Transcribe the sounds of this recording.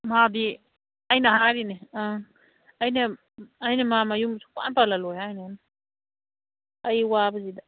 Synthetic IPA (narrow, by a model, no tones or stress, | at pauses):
mabi | ɐjnɐɦaɾinea | ajnɐ | ɐjnɐmamajumsʰu̥ka̰npalalɔjajnan | ɐjwabɐzida